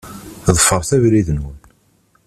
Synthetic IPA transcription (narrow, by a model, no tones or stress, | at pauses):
ðˤəfːəɾˤθævɾiðənwən